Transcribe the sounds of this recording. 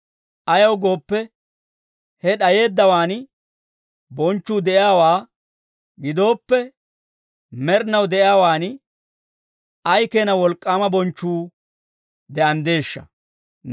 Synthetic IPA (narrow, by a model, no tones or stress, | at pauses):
ʔɐjɐwɡo̞ːpːɛ | hɛɗɐje̞ːd̪ːɐwaːn | bɔnt͡ʃːuːd̪ɛʔɪjaːwaː | ɡɪd̪o̞ːpːɛ | mɛɾnɐwd̪ɛʔɪjaːwaːn | ɐjkeːnɐwɔlkʼːaːmɐbɔnt͡ʃːuː | d̪ɛʔɐnd̪e̞ːʃːɐ̰